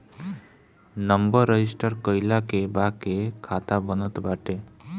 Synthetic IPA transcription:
nəmbəɾːəd͡ʒisʈəɾkəjlakebakekʰat̪abənət̪baʈe

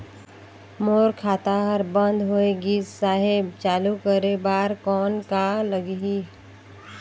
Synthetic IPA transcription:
moːɾkʰaːt̪aɦəɾbə̃nd̪ʱɦoeɡiːsaːɦeb̚t͡ʃaːlukəɾebaːɾkɔːnkaləɡɦi

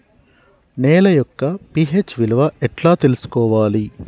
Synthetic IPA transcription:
neːlɐjɔkːɐpiːɦeːt͡ʃːʋilɐʋɐɛʈlaːt̪e̞lusu̥kɔːʋaːli

